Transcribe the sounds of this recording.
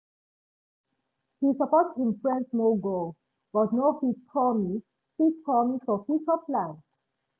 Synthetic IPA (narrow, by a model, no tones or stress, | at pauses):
hisəpɔtd̚hĩmfɹɛ̃ndsmoɡo | b̥ʌtnohipʰɹɔmi | hipʰɹɔmisfɔfit͡ʃəpʰlãns